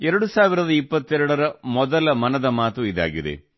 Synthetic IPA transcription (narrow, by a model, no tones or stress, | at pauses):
ɛɾɐɽusaːʋiɾɐðɐipːɐt̪ːɛɾɐɽɐɾɐmɔðɐlɐmɐnɐðɐmaːt̪uiða̰ːɡiðḛ